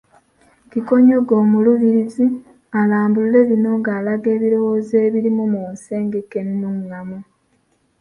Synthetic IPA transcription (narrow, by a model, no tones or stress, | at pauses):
kiko̞ɲo̞ɡo̞ːmuluβiɾizi | alaːmbulule̞βino̞ŋɡaːlaɡe̞ːβiɾo̞wo̞zeːβiɾimumoːnse̞ːŋɡekennuŋːamu